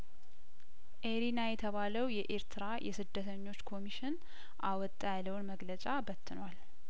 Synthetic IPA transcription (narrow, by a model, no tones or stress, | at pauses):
ʔeɾinajɛt̪ʰəβaləwjɛʔeɾt̪ʰɨɾajʔɛ̰sɨd̪ːət̪ʰəɲːo̞t͡ʃːkʰo̞miʃɪn | ʔawɔt̪ʼːajaləwnməɡlət͡ʃʼabət̪ʰːɨnwal